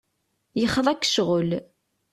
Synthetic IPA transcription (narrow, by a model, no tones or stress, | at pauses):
jəχːəðˤækːʃʁəl